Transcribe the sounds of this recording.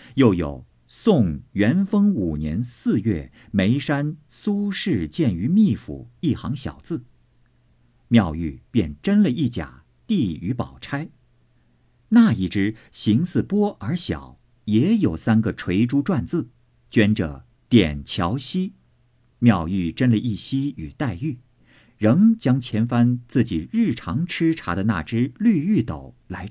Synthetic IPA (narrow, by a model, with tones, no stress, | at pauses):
jo˥˩ʊjo̰˨˩ʊ | sʊ˥˩ŋɥɛ˧˥nfɤ˥ŋu˨˩njɛ̰˧˥nsɹ̩˥˧ɥɛ˥˩ | me˧˥ɪʂa˥nsu˥ʂɻ̩˥˩˧t͡ɕjɛ˥˩ny˧˥mi˥˩fṵ˨˩i˥˩xɑ˧˥ŋɕjɑ̰˨˩ʊt͡sɹ̩˥˩ | mjɑ˥˧ʊy˥˧pjɛ˥˩nʈ͡ʂə˥nlə˨ʔi˥˩t͡ɕja̰˨˩ | t̪i˥˩y˧˥pɑ˨˩ʊʈ͡ʂʰa˥ɪ | na˥˧˩i˥˩ʈ͡ʂɻ̩˥ɕi˧˥ŋsɹ̩˥˩pwɔ˥ə˞˧˥ɕjɑ̰˨˩˦ʊ | jɛ˧˥jo˨˩ʊsa˥nɡə˨ʈ͡ʂʰwe˧˥ɪʈ͡ʂu˥ʈ͡ʂwa˥˧nt͡sɹ̩˥˩ | t͡ɕɥɛ˥nʈ͡ʂə̰˩ | t̪jɛ̰˨˩nt͡ɕʰjɑ˧˥ʊɕi˥ | mjɑ˥˧ʊy˥˧ʈ͡ʂə˥nlə˨˧ʔi˥˩ɕi˥y˨˩t̪a˥˧ɪy˥˩ | ɻɤ˧˥ŋt͡ɕjɑ˥ŋt͡ɕʰjɛ˧˥nfa˥nt͡sɹ̩˥˩t͡ɕi˨˩ɻɻ̩˥˩ʈ͡ʂʰɑ˧˥ŋʈ͡ʂʰɻ̩˥ʈ͡ʂʰa̰˧˥d̪ə˧na̰˥˩ʈ͡ʂɻ̩˥ly˥˧y˥˩t̪o˨˩˦ʊla˧˥ɪ